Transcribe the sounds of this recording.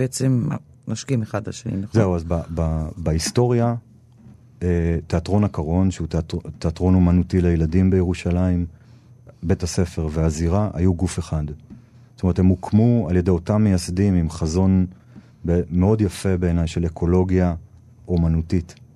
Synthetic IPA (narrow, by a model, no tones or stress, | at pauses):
b̥eet͡sema | maʃkimeχadla̰ʃenḭmezeuazbababaisto̞ʁja | ete̞atʁo̞nakaʁo̞nʃeuttteatʁo̞nomanutilejeladimbejeʁuʃalaim | be̞tase̞fe̞ʁveaziʁaʔa̰juɡufeχad | stome̞themukʰmualjede̞jo̞tamːejasdimimχazo̞n | bme̞o̞djafe̞be̞ːnajʃe̞lekʰo̞lo̞ɡja | umanutit